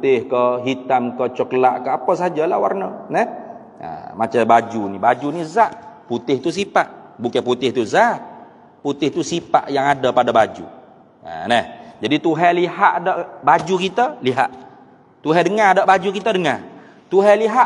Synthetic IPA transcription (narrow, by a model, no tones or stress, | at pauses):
t̪ɪhkəɦit̪amkət͡ʃəkəlaʔkəapəsad͡ʒalawa̰rnənɛh | ə̰mat͡ʃabad͡ʒunibad͡ʒunizaʔput̪ɪht̪us̬ipaʔbukaput̪ɪht̪uzaʔ | put̪ɪht̪usipa̰ʔjaŋadapadabad͡ʒṵ | ə̰nɛhd͡ʒadit̪uɦɛlihaʔdaʔbad͡ʒukit̪əliɦa̰ʔ | t̪uɦɛdəŋadaʔbad͡ʒukit̪ədəŋa | t̪uɦɛliɦa